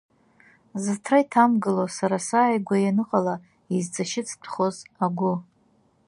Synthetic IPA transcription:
zɨtʰraitʰamɡɨlosaɾasaːjɡʷajanɨqʼala | izt͡sʰʼaʃɪt͡sʰtʰχozaɡʷʊ

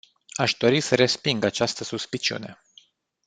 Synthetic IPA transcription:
aʃd̪o̞ɾisəɾe̞spiŋɡat͡ʃast̪əsuspit͡ʃiṵne̞

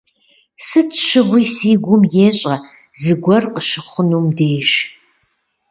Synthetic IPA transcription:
sɨtʰʃɨʁʷiːsiːɡʷʊmjeːɕʼɐ | zɨɡʷɔrqəʃɨχʷʊnuːmdeːʒ

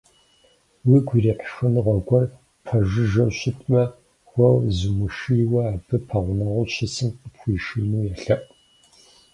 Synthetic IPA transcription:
wiɡʷiriːħxɨnɨʁɐɡʷɔr | pʰɐʒɨʒɐwɕɪtʰʼmɐ | xʷɐwzɨmɨʂiwɐaːbɨpʰɐʁʷʊnɐʁʷʊʃɪsɨmqəpxʷiːʃɨnuːjɛɬɐʔʼ

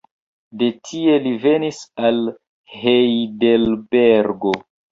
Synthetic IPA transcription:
de̞tʰie̞live̞nisal | hejdelbeɾɡo̞

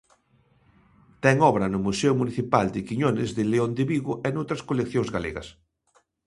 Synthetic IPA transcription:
t̪ɛŋɔβɾɐnʊmusɛʊmuniθipald̪ɪkiɲonɪzðɪleond̪ɪβiɣʊʔenowt̪ɾɐskolekθjõŋzɣalḛɣɐ̰s

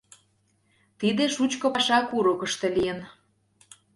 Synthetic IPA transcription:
t̪id̪eʃut͡ɕkopɑʃɑkuɾukə̆ʃt̪elijən

